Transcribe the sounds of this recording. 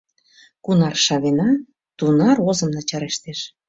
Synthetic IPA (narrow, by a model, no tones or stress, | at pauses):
kunɑrʃɑβenɑ | t̪unɑɾozə̆mnɑt͡ɕɑɾeʃt̪eʃ